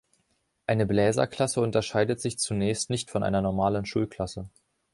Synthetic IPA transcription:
ʔaɪnəblɛːzɐ̰kʰl̥asəʊntɐʃaɪdətz̥ɪçt͡sunɛːçstnɪçtfɔnʔa̰ɪnɐnɔɐmaːlənʃuːlkʰl̥asə

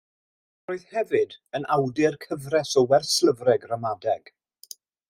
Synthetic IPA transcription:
roːɨðhɛvɨdənawdɪrkʰəvrɛsɔwɛrslˠəvrɛɡramadɛɡ̥

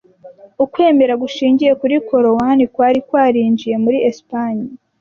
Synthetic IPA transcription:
ukwe̞ːme̞ɾaɡuʃiːɲɟije̞kuɾiko̞ɾowanikwaːɾikwaːɾiːɲd͡ʒije̞muɾiespaɲi

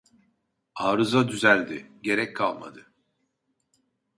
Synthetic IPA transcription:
aːɾɯzad̪yzælʲd̪ɪɟe̞ɾɛc̚kʰːalˠma̰d̪ɯ

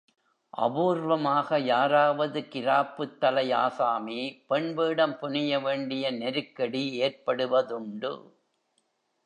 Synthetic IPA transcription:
ʔɐ̰ʋuːɾʋɐmaːɣɐjaːɾaːʋɐðɯkɪɾaːpːɯt̪ːɐlɐɪa̰ːsaːmipɛɳʋeːɽɐmpʊɳɪjɐʋeːɳɖɪjɐnɛɾɯkːɐɽieːrpɐɽɯʋɐðʊɳɖɯ̰

